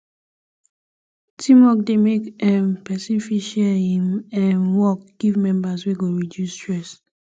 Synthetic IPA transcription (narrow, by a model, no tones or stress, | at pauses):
tʰimɔk̚demekɛ̃mpɛsĩnfiʃɛhĩmɛ̃nwɔk̚ɡ̥ivmɛ̃mbasweɡoɹidjustɹɛs